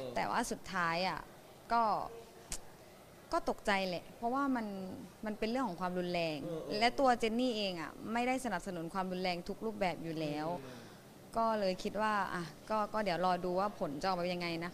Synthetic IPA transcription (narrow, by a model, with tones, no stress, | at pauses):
t̪ɛ̰ː˨˩waː˥˩su˨˩t̪ʰːaː˦˥jʔa̰˨˩ | kɔː˥˩ | kɔː˥˩t̪o˨˩k̚t͡ɕa˧jlɛ̰˨˩ʔpʰɔ˦˥waː˥˩ma˧nma˧npe˧nlɯ˥˩əŋkʰɔː˩˦ŋkʰwaː˧mɾu˧nlɛː˧ŋlɛ˦˥wt̪u˧ɐ˧t͡ɕe˧nnːiː˥˩ʔeː˧ŋʔa̰˨˩ma˥˩jda˥˩jsa˧na˨˩p̚sa˧nu˨˩˦nkʰwaː˧mɾu˧nlɛː˧ŋt̪ʰu˦˥k̚ɾuː˥˩p̚bɛː˨˩p̚juː˨˩lɛː˦˥w | kɔː˥˩lɤː˧jkʰi˦t̪̚waː˥˩ʔa˧˩kɔː˥˩kɔː˥˩di˩˦əwlɔː˧duː˧waː˥˩pʰo˨˩˦nt͡ɕa˧˨˩bɛ˧˩ja˧ŋːa˧jna˦˥